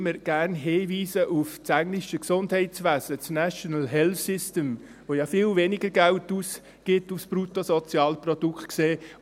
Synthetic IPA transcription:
məɾɡ̥æɾnɦeːviːsəʔuft͡sæŋlɪʃəksʊndhɛɪsʋæːsət͡snæʃɔnəlɦɛlfsɪstəm | voːjɑfɪːlveːnɪɡəɾɡæʊtus | ɡ̥ɪtufspɾutosɔt͡sjɑːlprɔd̥ukʰtkseː

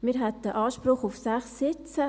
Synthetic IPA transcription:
mɪːɾɦɛt̪əʔɑːʃprʊχʊfsæχsɪt͡sə

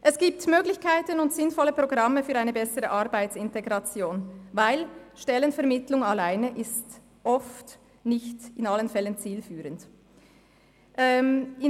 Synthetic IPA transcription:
ʔɛsɡ̥iːp̚tmøːɡlɪçkʰaɪtənʊntz̥ɪnfɔlːəpʁ̥oɡʁɑməfyːɐʁaɪnəbɛsəʁəʔaʁbaɪtsɪnteɡʁɑt͡sjoːnvaɪlʃtɛlənfɛɐmɪtlʊŋalaɪnəʔɪst | ʔɔft | nɪçtɪnalənfɛlənt͡siːlfyːʁənt | ʔɛɪ

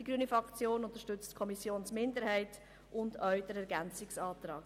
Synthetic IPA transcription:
d̥iɡɾyːənifɾɑkt͡sjoːnʊntəɾʃtʏt͡stkʰɔmisjoːnsmɪndəɾhɛɪt | ʔʊndœɥdəɾɛɾɡɛnt͡sɪksɑːtɾɑːɡ

